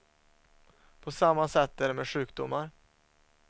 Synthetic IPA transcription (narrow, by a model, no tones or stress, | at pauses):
pʰɔsamːasɛt̪ːæɾɛmeːd̪ɧʉ̟ːk̚d̪ʊmːaɾ